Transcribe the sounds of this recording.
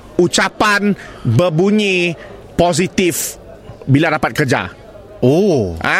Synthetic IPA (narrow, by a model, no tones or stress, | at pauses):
ut͡ʃapanbəbuɲi | pozit̪if | biladapat̪̚kərd͡ʒa̰ | oʔa